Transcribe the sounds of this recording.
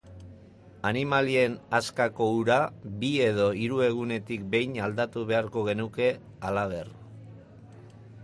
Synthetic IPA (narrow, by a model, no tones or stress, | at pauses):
animalie̞naskako̞uɾabie̞ð̞o̞iɾue̞ɣ̞une̞t̪ikbe̞jnald̪at̪uβe̞aɾko̞ɣ̞e̞nuke̞ | alaβ̞e̞r